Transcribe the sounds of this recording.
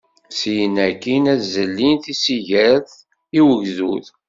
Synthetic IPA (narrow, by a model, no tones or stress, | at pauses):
sijənækːinæzːəlːinθisiʝəɾθ | iwəʝðuθ